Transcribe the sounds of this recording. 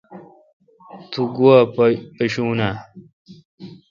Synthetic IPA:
t̪ʰuɡuwapeɕuːna

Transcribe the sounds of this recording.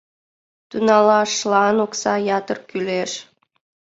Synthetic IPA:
t̪unɑlɑʃːlɑnoksɑjɑt̪ərkyleʃ

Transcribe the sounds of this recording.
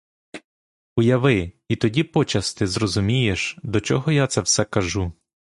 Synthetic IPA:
ʊjɐʋɪ | it̪ɔdʲipɔt͡ʃɐst̪ɪzrɔzʊmʲijeʃd̪ɔt͡ʃɔɦɔjat̪sɛwsɛkɐʒu

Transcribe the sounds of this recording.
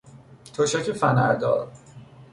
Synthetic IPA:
t̪ʰoʃæcʰefænæ̰ɾd̪ɒ̰ːd̪

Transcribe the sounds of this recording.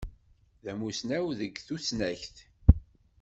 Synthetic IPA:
ðæmusnæwðəɡθusnæçθ

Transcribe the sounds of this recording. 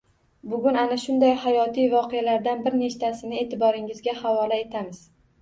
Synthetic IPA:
bʊɡʲʊnanaʃʊnd̪ajhajɒt̪ʰijvɒqʰealaɾd̪anbɪɾne̞ʃt̪ʰasɪnɪe̞t̪ʰɪbɒɾɪŋɪzɡʲahavɒlae̞t̪ʰamɪz̥

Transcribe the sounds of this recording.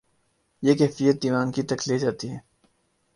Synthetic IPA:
jeːkɛːfijət̪̚d̪iːʋaːnkit̪ɐkʰleːd͡ʒaːt̪iɦɛː

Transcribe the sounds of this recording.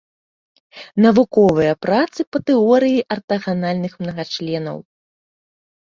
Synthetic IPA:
nɐvukɔvɨjɐpɾat̪sɨpɐt̪ɨɔɾɨjiʔɐrt̪ɐɣanalʲnɨxmnɐɣat͡ʂlʲɛnɐ̰w

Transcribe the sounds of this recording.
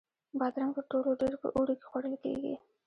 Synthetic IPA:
bɑd̪ɾaŋpəɾʈoloɖeɾpə̰ʔuɽoke̥xwaɽəlkḛɡḭ

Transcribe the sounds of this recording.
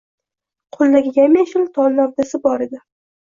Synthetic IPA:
qʰolˠːaɡʲɪjʲamjaʃɪlt̪ʰɒlˠːavd̪asɪbɒɾɪd̪ɪ

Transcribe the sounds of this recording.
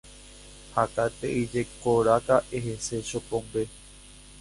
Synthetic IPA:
hakat̪ḛʔid͡ʒe̞koɾakaʔeɦese̞ʃopõmbe

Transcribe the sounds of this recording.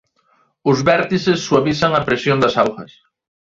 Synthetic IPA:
ʊzβɛɾt̪isɪsːuaβisɐŋɐpɾesjond̪ɐsawxɐ̰s

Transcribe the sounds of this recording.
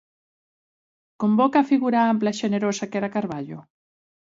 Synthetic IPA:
kombokafiɣuɾaamplaiʃeneɾosakeɾakaɾβaʎo

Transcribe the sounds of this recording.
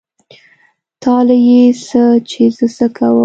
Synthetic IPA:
t̪ʰɑlajesət͡ʃezəsəkʰawə

